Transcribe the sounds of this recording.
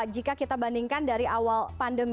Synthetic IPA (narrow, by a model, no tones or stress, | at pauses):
d͡ʒikakit̪abandiŋkandaɾiʔawalpandəm